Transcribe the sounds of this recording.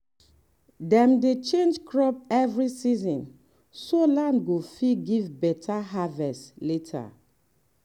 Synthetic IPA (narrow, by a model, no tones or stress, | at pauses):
dɛ̃mdet͡ʃẽnd͡ʒkɹɔp̚ɛvɹisizɔ̃n | solãndɡofiɡivbɛtʰaɦavɛstletʰa̰